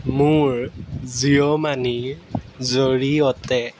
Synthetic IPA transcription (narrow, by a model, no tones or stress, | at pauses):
mʊɹziɔmani | zoɹiɔtɛ